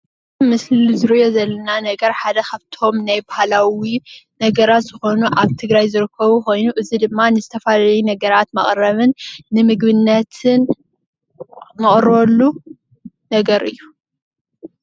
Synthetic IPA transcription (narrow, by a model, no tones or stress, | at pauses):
mɨslzɨɾijo̞zɐlːɐnanɐɡɐɾħad̪ɐkʰaβt̪ʰo̞mnajbahalawinɐɡɐɾat̪z̥ɨxo̞nuʔaβt̪ʰɨɡɾajzɨɾɨkʰːɐβuko̞jnuʔɨzid̪ɨmːanɨzɨt̪ʰɐfalaɐjunɐɡɐɾat̪mɐχʼɾɐβɨnːɨmɨɡβɨnːɐt̪ʰɨn | mɐχʼɾolːu | nɐɡɐɾɨ̰jːu